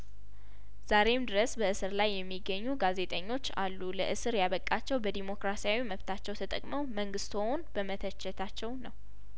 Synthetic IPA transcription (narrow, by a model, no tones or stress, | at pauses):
z̥aɾe̞md̪ɨɾəsbəɨsɨɾlajːɛmːiɡːəɲːuɡaze̞t̪ʼəɲːo̞t͡ʃːa̰lːuləʔɨsɨɾjaβəkʼːat͡ʃːɛwbəd̪imo̞kɾasijawiməβt̪ʰat͡ʃːɛwt̪ʰət̪ʼəkʼməwməŋɡɨst̪onbəmət̪ʰət͡ʃːɛt̪ʰat͡ʃːɛwnəw